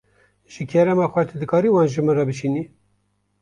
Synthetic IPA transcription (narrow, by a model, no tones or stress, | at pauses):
ʒ̥ɨkʰɛɾɛmɑːxʷɛt̪ʰed̪ɨkʰɑːɾiːwɑːnʒɨmɨnrɑbɨʃiːni